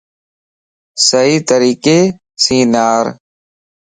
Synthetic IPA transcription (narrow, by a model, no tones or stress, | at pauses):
səɦiːt̪əɾiːkeː | sĩːnaːɾ